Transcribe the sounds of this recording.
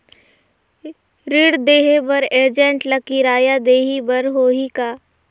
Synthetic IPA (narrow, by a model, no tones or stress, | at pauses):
ɾɪɽd̪eːɦebɐɾeːɾd͡ʒẽɳʈlɐkiɾaːjad̪eːɦibɐɾɦoːɦikaː